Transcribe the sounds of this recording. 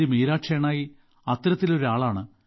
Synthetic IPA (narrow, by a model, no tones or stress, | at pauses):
imiːɾaːʈʂeːɳaːji | ɐt̪ːɾɐt̪ːilo̞ɾuaːɭaːɳɨ